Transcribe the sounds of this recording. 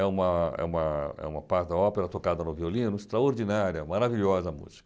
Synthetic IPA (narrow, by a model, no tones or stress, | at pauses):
ɛũmɐɛ̰ũmɐɛ̰ũmɐpaɾd̪ɐɔpeɾɐt̪okad̪ɐnʊviolĩnʊest̪ɾaoɾd͡ʒinaɾiɐmaɾaviʎɔzɐmṵzi̥kɐ